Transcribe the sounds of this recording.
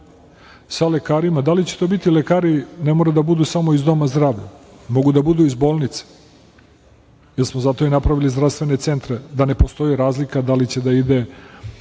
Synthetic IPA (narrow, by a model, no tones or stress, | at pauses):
sale̞kaːɾimad̪alit͡ɕe̞̥t̪o̞ːbit̪ile̞kaːɾine̞mo̞ɾed̪abud̪usamoizd̪o̞mazd̪ɾaːʋʎa̰ | mo̞ɡud̪abud̪uizbo̞ːlnit̪se̥ | jeɾsmozat̪o̞inapɾaʋilizd̪ɾast̪ʋe̞ne̞t̪se̞nt̪ɾed̪ane̞post̪o̞jiɾaːzlikad̪alit͡ɕe̞d̪aid̪e̞